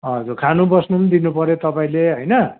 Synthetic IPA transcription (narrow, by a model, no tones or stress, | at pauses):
ʌd͡zukʰanubʌsnumnd̪inupʌɾjot̪ʌpaĩleɦʌjnʌ